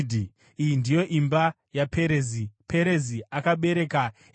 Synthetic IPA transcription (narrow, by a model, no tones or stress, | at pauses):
di | ijindijo̞ʔimba | japʰeɾezipʰe̞ɾe̞ziʔakaɓe̞ɾe̞ka